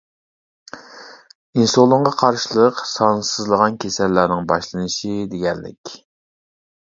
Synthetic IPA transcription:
insolˠʊɴʁɑqʰɑɾʃilˠəqsɑnsɨzlˠəʁɑnkʲʰesɛlːæɾnɪŋbɑʃlˠɨnɨʃid̪eɡʲɛlːɪ̰kʲ

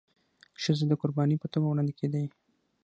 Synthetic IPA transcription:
ʃəzed̪əkʊɾbɑnipət̪omawɽɑnd̪ekʰed̪əj

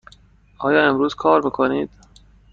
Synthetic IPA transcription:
ʔɒːjɒːe̞mɾuːz̥kʰɒːɾmiːkʰoniːd̪̥̚

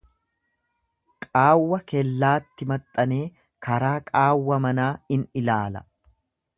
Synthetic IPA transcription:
kʼaːwːɐkɛlːaːt̪ːɪmɐt̪ʼːɐne̞ː | kɐɾaːkʼaːwːɐmɐnaːɪnɪlaːlɐ̰

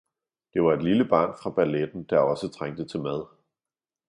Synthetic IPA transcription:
d̥e̝ʋɑ̈e̝d̥liləb̥ɑ̰̈ːnfʁɑ̈b̥æled̥n̩d̥ɑ̈ɒ̽sət͡sʰʁaŋ̰d̥ət͡sʰe̝lmæð̞ˠ

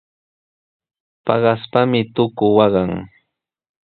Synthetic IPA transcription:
pɑ̰ɢɑspamɪt̪ʊkʊwɑɢɑŋ

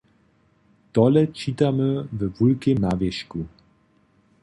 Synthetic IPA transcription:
t̪ɔlɛt͡ʃit̪aməvɛvulkemnaːvjɛʃku

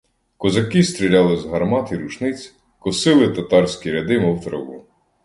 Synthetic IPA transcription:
kɔzɐkɪst̪ɾʲilʲɑlˠɪzɦɐrmɑt̪iɾut͡ʃnɪt͡sʲ | kɔsɪlˠɪt̪ɐt̪ɑrsʲkʲiɾʲɐd̪ɪmɔwt̪ɾɔɦu

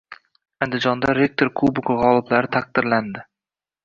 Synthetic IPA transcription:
and̪ɪd͡ʒɒnd̪aɾe̞k̚t̪ʰoɾkʰubʊkʁɒlˠɪblaɾɪt̪ʰaq̚d̪ɪɾland̪ɪ

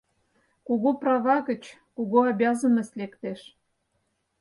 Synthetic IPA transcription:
kuɣoprɑvɑɣə̆t͡ɕkuɣoɑbʲjɑzə̆mə̆slekt̪eʃ

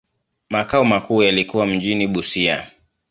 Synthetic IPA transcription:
makaumakuːjalikuwam̩ʄiniɓusia̰

